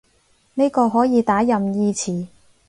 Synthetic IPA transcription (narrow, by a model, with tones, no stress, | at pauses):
ne˥kɔː˧ɦɔː˨˥jiː˨˧t̪aː˨˥jɐ˨mjiː˧t͡sʰiː˨˩